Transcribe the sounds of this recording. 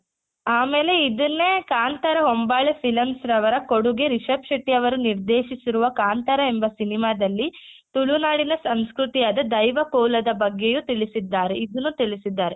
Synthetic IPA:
aːme̞ːle̞id̪ɐnːekaːnt̪ɐɾɐɦombaːɭepʰilɐmsɾɐʋɐɾɐko̞ɽuɡe̞ɾiʃɐpʃɐʈːijɐʋɐɾuniɾd̪eːʃisiɾuʋɐkaːnt̪ɐɾɐembɐsinimaːd̪ɐlːit̪uɭunaːɽinɐsɐnskɾut̪ijaːd̪ɐd̪ɐjʋɐkoːlɐd̪ɐbɐɡːejut̪iɭisid̪ːaːɾeid̪unːut̪iɭisid̪ːaːɾe

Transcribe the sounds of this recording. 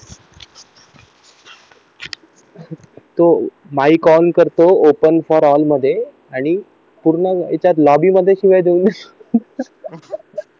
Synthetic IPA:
t̪o | maikɔlkəɾt̪oopənfɔɾɔlməd̪ʱːje | aɽ̃i | puɾɳəḛt͡ɕat̪lɔbiːməd̪ʱːjeɕiʋajd̪eund̪s

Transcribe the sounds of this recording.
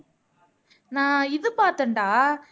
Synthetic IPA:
nãːɪðɯpaːɾt̪ɐɳɖaː

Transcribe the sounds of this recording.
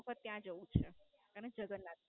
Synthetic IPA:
kʰət̪ːjãd͡ʒəũt͡ʃʰeəned͡ʒəɡənːa

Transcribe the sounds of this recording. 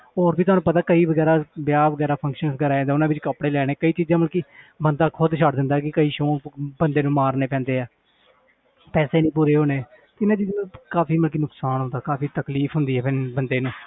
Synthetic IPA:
oːɾbiːt̪ʊɦaːnũːpət̪aːkəiːʋəɡɛːɾaːbjaːʋəɡɛːɾaːpʰə̃ŋkʃənsɡəɾaːẽːd̪eːʊnãːʋɪt͡ʃkəpɽeːlɛːɽ̃eːkəiːt͡ʃiːzãːməlkiːbənd̪aːkʰʊd̪ʃəɽd̪ɪ̃nd̪aːkɪkəiːʃõːbənd̪eːnũːmaːɾneːpɛ̃ːnd̪eːɛː | pɛːseːnĩːpuːɾeːɦoːneː | t̪ːɪnãːt͡ʃiːzãːnːkaːpʰiːməlkiːnʊksaːnɦʊ̃nd̪aːkaːpʰiːt̪əkliːpʰɦʊnd̪iːɦɛːbənd̪eːnũː

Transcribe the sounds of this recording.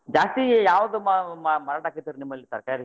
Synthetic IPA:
d͡ʒaːst̪ijaːʋɐd̪ummɐmɐɾɐɽaːkit̪ːiːɾunimːɐlːisɐɾkaːɾi

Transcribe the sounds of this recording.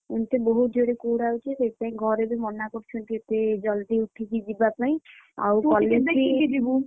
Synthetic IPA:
unt̪ebɔɦut̪̚d͡ʒoɽekoɽawt͡ʃʰesepaĩɡʱɔɾebimɔnakɔɾt͡ʃʰɔnt̪iet̪ed͡ʒɔld̪iuʈʰid͡ʒid͡ʒibapaĩ | a̰wkɔlːeeid͡ʒibu

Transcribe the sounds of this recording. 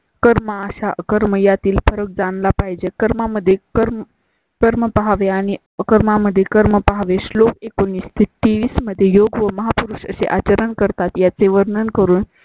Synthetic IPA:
kəɾməaɕaʔəkəɾməjat̪iːlfəɾək̚d͡zanlapaɦjd͡ʑekəɾmaməd̪ʱːjekəɾm | kəɾməpaɦaʋeaɽ̃i | əkəɾmaməd̪ʱːjekəɾməpaɦaʋeslokekoniːst̪ʰit̪ʈ̪eʋiːsməd̪ʱːjejoɡʋəməɦapuɾuʂə̰sḛʔat͡ɕəɾənkəɾt̪at̪jat͡seʋəɾnənkəɾuːn

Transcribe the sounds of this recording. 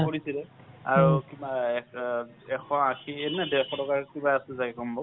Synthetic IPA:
poɹisilɛ | aɹukibaɛ | ɛxʰɔakʰiɛnɛdɛxʰɔtɔkaɹkibaasuzaɡɛkɔmbɔ

